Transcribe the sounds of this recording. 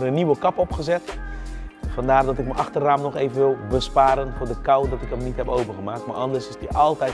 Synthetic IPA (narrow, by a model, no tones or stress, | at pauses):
rənːiʋəkɑpɔpχəzɛt | fɑndaːrdɔtɪk̚məʔɑxtərːaːmnɔχeːvənʋɪlˠbəspaːɾənfʊːrdəkawdɔtɪkəmnitɦɛpowvəɣəmaːk̚tma̰ʔɑndərsɪsdiʔɑlˠtɛj